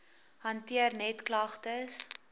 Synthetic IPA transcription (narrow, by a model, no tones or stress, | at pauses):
hɐntiərnɛtklɐχtəs